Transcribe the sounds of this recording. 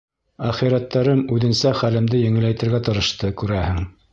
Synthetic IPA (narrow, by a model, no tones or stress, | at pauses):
æχiɾæt̪ːæɾɤmʉðɘ̆nsæχælɘ̆md̪ɘjɘ̆ŋɘ̆lːæjt̪ɘ̆ɾɡæt̪ɤ̆ɾɤ̆ʃt̪ɤkʉɾæhɘŋ